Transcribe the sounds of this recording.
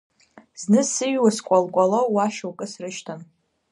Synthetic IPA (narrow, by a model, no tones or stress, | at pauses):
znɨsɨɥwaskʷʼalɡʷʼalowwaʃowkʼɨsrɨʃtʰan